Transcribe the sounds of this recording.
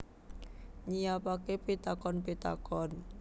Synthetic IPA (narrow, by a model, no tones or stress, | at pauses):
ɲijapakepit̪akɔnpit̪a̰kɔn